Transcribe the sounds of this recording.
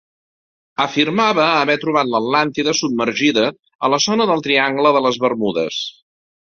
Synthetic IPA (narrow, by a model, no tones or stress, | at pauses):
əfirmaβəːβɛt̪ɾuβ̞at̪ləd̪lant̪iðəsub̚məɾʒiðə | ələzɔnəðəlˠt̪ɾiaŋɡləðələzβərmuðə̰s